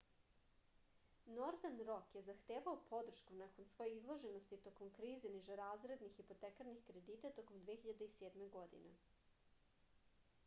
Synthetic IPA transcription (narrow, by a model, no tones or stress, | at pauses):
noɾd̪anɾo̞kje̞zaxt̪eːʋaopʰo̞d̪r̩ʃkunako̞nsʋo̞jeizlˠo̞ʒe̞nost̪it̪o̞ko̞mkɾiːzeniʒeɾaːzɾe̞d̪nixipo̞t̪ekaɾnixkɾe̞d̪iːt̪at̪o̞ko̞md̪ʋexiʎad̪eiseːd̪meɡo̞d̪ḭne